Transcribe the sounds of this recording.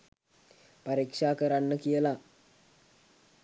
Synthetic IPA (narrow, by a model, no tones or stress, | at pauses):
paɾikʂaːkəɾanːəkijəla